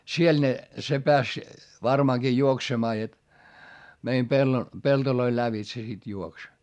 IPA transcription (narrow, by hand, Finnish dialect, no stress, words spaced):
siel ne se peæs ʋɑrmɑːŋɡ̊i juoksemɑː jot meim pelːo peltoloil læʋitse sit juoks